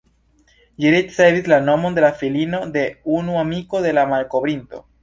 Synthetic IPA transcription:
jiɾit͡ʃseβizlanomond̪e̞lafilinod̪eunuamikoðe̞lamalkoβɾint̪o̰

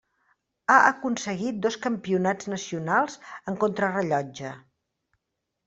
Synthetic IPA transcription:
aʔəkunsəɣit̪̚d̪oskəmpiunad͡znəsiunalˠzəŋkont̪ɾərəʎɔd͡ʒə

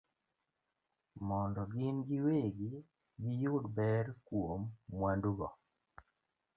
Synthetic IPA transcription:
mɔndɔɡɪnɡɪweɡi | ɡɪjʊdbɛɾkwomːwanduɡɔ

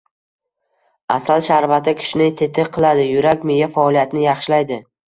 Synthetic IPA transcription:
asalʃaɾvat̪ʰɪkʲʰɪ̥ʃɪnɪt̪ʰe̞t̪ʰɪqʰɨlˠad̪ɪjʊɾakʲmejafaɒlˠijat̪ʰnɪjɑχʃɪlajd̪ɪ

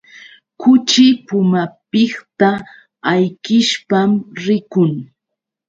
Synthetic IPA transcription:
kʊt͡ʃɪpʊmapɪχt̪a | ajkɪʃpamɾɪkʊŋ

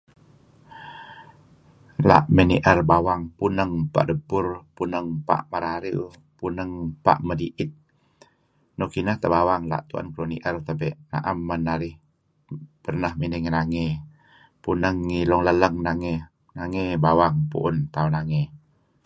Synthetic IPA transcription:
la̰ʔməniʔərbawaŋpunəŋpa̰ʔdəbʊrpunəŋpa̰ʔmaɾaɾiu | punəŋpa̰ʔmədiʔɪt̪̚ | nokinəht̪əbawaŋla̰ʔt̪ua̰nkloniʔərt̪əbɛʔna̰ʔamːənaɾɪh | pərnəhminɪŋnaŋe | punəŋːilɔŋlələŋnaŋe | naŋebawaŋpṵʔʊnt̪aunaŋe

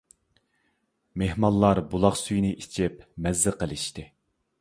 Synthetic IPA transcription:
mehmɑlˠːɑɾbulˠɑχsyjnɪʔit͡ʃʰip̚mɛzːɨqəlˠɨʃt̪ɪ

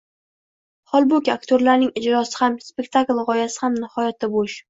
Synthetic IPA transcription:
hɒlˠbʊkʲakt̪ʰoɾlaɾnɪŋɪd͡ʒɾɒsɪ̥hamspʲe̞kʲt̪ʰaklˠʁɒjasɪ̥hamnɪhɒjat̪ʰːaboʃ

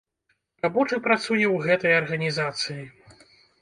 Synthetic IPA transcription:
rabɔt͡ʂɨpɾat̪sujɛwɣɛt̪ɐjɐrɣɐnʲizat̪sɨji

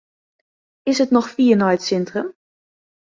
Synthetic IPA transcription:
ɪsətnɔxfiːənɔjətsɪntrəm

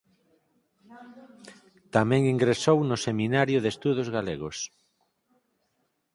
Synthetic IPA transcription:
t̪amɛ̃ŋiŋɡɾesownʊseminaɾjʊðest̪uð̞ozɣaleɣos

